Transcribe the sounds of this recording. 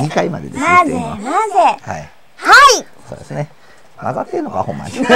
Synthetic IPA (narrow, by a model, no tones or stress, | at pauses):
ɲ̟ikaimad̪ed̪esazeemazeha̰i | hai | so̞ːd̪e̞sɨne | maɡat̪ːeɾɯnokahõ̞mːa̰ɲʲi